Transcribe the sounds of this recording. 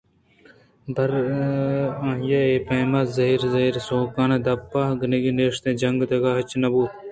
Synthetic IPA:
b̪ɐɾ | ãːjaeːpɐjmɐzɐɦiːɾzɐiːɾsoːkaːned̪ɐpːaːɡənɐɡineːʂt̪ẽːd͡ʒɐŋɡd̪ɐɡaːɦɐt͡ʃnɐbuː

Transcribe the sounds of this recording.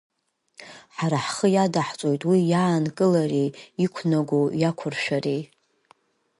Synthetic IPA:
ħaɾaħχəjadaħt͡sʷʼo̞jtʼwijaːnkʼɨlariikʷʰnaɡʷojakʷʰʊrʃᶣari

